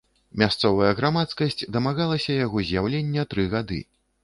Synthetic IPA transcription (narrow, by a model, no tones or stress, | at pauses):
mʲast̪sɔvɐjɐɣɾamat̪skɐsʲt͡sʲd̪ɐmaɣalˠɐsʲɐjaɣɔzʲjawlʲenʲːɐt̪ɾɨɣad̪ɨ̰